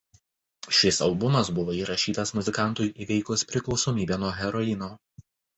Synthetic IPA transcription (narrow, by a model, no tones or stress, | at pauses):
ʃʲɪsɐlˠbʊmɐsbʊʋoːiːɾɐʃʲiːt̪ɐsmʊzʲɪkɑˑnt̪ʊjiːʋʲɛɪkʊspʲɾʲɪklˠɒʊsoːmʲiːbʲeːnuɔɦʲɛɾɔɪnoː